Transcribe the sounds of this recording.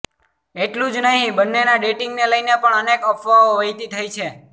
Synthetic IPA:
eʈlũd͡ʒnəɦĩbənːenaɖeʈiŋɡneləjnepəɳənekəpʰʋaoʋəit̪it̪ʰəjt͡ʃʰe

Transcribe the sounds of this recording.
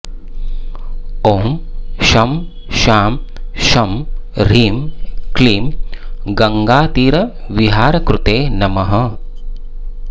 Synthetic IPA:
oːmʃɐm | ʃaːmʃɐmɾiːmkliːmɡɐŋɡaːt̪iːɾɐ | ʋiɦaːɾɐkɾut̪eːnɐmɐɦɐ

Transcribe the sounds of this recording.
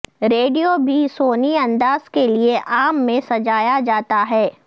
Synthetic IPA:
ɾeːɖijobʱisoːniɐ̃nd̪aːz̥kelieʔaːmːẽsɐd͡ʒaːjad͡ʒaːt̪aɦɛː

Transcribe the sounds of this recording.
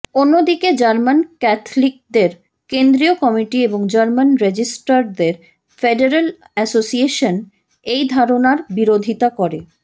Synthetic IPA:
onːod̪iked͡ʑaɾmankɛt̪ʰlik̚d̪eɾ | kend̪ɾiokɔmiʈieboŋd͡ʑaɾmanɾed͡ʑisʈaɾd̪eɾ | feɖeɾal | ɛsosieʃon | ejd̪ʱaɾonaɾbiɾod̪ʱit̪akɔɾe

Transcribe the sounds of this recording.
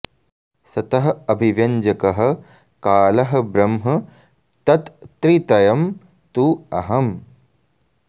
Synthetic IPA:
sɐt̪ɐɦɐ̆ɐbʱiʋjɐɲd͡ʒɐkɐɦɐ̆ | kaːlɐɦɐ̆bɾɐmɦɐ | t̪ɐt̪t̪ɾit̪ɐjɐm | t̪uɐɦɐm

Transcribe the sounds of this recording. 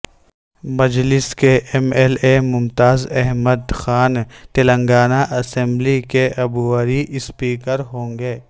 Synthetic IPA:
mɐd͡ʒlɪskeʔɛmɛlemʊmt̪aːzɛɦməd̪xaːnt̪elə̃ŋɡaːnaʔɐsɛ̃mblikeʔɐbuʋəɾiʔɪspiːkəɾɦõːŋɡeː

